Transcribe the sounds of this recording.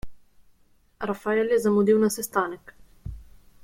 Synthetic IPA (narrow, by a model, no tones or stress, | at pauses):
ɾafaɛljɛzamud̪iwnasɛst̪aːnɛk